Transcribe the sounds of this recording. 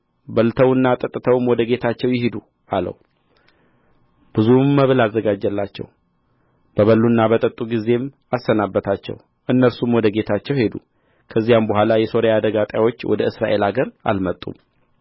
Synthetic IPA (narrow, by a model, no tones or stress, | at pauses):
bəlt̪ʰəwɨnːat̪ʼət̪ʼːɨt̪ʰəwmwɔd̪əɡe̞t̪ʰat͡ʃːɛwjɪɦid̪u | alə̰w | b̥ɨzumːəβɨlazːəɡad͡ʒːɛlːat͡ʃːɛ̰w | b̥əβəlːunːabət̪ʼət̪ʼːuɡize̞m | asːənabːət̪ʰat͡ʃːɛ̰w | ʔɨnːəsumwɔd̪əɡe̞t̪ʰat͡ʃːɛwhe̞d̪ṵ | kʰəzːijambəhʷalajɛso̞ɾejad̪əɡat̪ʼjawo̞t͡ʃːwʔɔ̰d̪əɨsɾa̰ʔe̞laɡəɾa̰lmət̪ʼːṵm